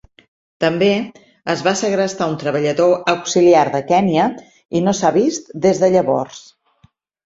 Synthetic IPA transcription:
t̪əmbe | əzβasəɣɾəst̪aunt̪ɾəβəʎəðoəwksiliaɾðəkɛniə | inosaβist̪d̪ezðəʎəβɔ̰rs

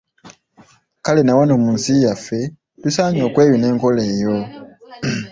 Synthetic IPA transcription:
kalenawanoːmuːnsijafːe̞ | lusaːɲo̞ːkwe̞ːjune̞ːŋko̞le̞ːjo

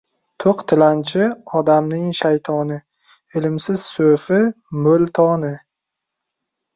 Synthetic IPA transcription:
t̪ʰoqt̪ʰɪlant͡ʃʰɪɒd̪amnɪŋʃajt̪ʰɒnɪ | ɪlɪmsɪz̥sɵɾfɪ | mɵlt̪ʰɒnɪ

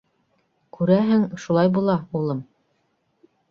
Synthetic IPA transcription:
kʉɾæɦɘŋʃulˠɑjbulˠɑulˠɤm

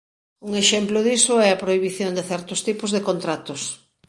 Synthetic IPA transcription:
uŋeʃɛmplʊðisʊɛɐpɾoiβiθjond̪eθɛɾt̪ʊst̪ipʊzðekont̪ɾat̪ʊs

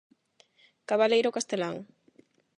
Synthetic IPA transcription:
kaβalejɾokast̪elaŋ

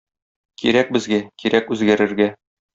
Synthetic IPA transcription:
kiɾæk̚bɘ̆zɡækiɾækʉzɡæɾɘ̆ɾɡæ

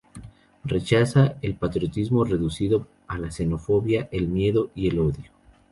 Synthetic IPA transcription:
re̞t͡ʃasae̞lpat̪ɾjo̞t̪izmo̞re̞ðusiðo̞ | alase̞no̞fo̞βjaʔe̞lmje̞ðo̞ie̞loðjo

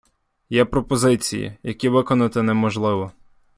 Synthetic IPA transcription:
jɛpɾɔpɔzɪt͡sʲḭjḭjɐkʲiʋɪkɔnɐt̪ɪnɛmɔʒlˠɪʋɔ

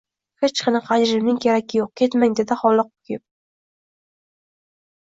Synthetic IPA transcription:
het͡ʃqʰɑnɨqʰad͡ʒɾɪmnɪŋkʲʰeɾakʲʰːɪjoq̚kʲʰet̪maŋd̪ed̪ɪχɒlˠɨq̚ʊ̥kʲʰɪp̚

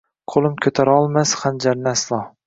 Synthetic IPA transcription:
qʰolˠɪmkʲʰɵt̪ʰaɾaɒlˠmasχand͡ʒaɾnɪːslˠɑ

